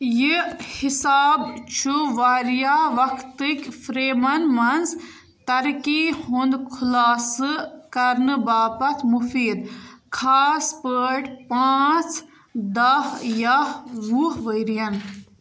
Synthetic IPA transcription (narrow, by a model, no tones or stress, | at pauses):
jihisaːbt͡ʃʰuʋaːɾjaʋɐkʰt̪ɨkʲfʰɾeːmɐnmɐnz | t̪ɐɾkihund̪kʰulaːsɨkɐɾnɨbaːpɐt̪ʰmufʰiːd̪kʰaːspəːʈpaːt͡sʰ | d̪ɐhjɐɦɾuːɦʋəjɾijɐn